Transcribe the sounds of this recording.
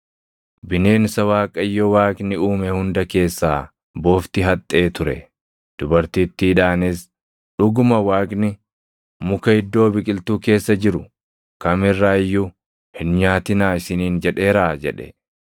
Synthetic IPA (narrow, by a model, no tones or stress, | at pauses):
bɪne̞ːnsɐwaːkʼɐjːɔwaːkʼnɪuːmɛhʊnd̪ɐke̞ːsːaː | bo̞ːft̪ɪɦɐt̪ʼːe̞ːt̪ʊɾɛ̰ | d̪̥ʊbɐɾt̪iːt̪ːɪᶑaːnes | ᶑʊɡʊmɐwaːkʼnɪ | mʊkɐhɪd̪ːo̞ːbɪkʼɪlt̪uːke̞ːsːɐd͡ʒɪɾʊ | kɐmɪrːaːɪjːʊ | hɪnɲaːt̪ɪnaːɪsɪniːnd͡ʒɛᶑe̞ːɾaːd͡ʒɛᶑɛ̰